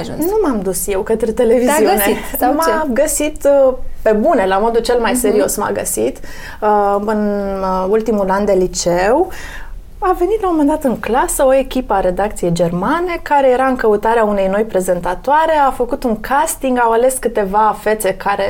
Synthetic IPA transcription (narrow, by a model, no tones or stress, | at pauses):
ʒunnumamd̪usje̞wkət̪ɾet̪e̞le̞vizziunemaɡəsit̪pe̞bune̞lamo̞d̪ult͡ʃe̞lmajse̞ɾio̞sma̰ɡə̰sit̪ | ɨnult̪imuland̪e̞lit͡ʃew | ave̞nit̪laomənd̪at̪ɨŋklasəo̞e̞kʲipəaɾe̞d̪ak̚t̪sije̞jd͡ʒe̞rmane̞kaɾe̞je̞ɾaɨŋkəut̪aɾeaune̞jno̞jpɾe̞ze̞nt̪at̪oaɾe̞afəkut̪uŋkʰast̪iŋɡawale̞skɨt̪e̞vafe̞t̪se̞kʰaɾe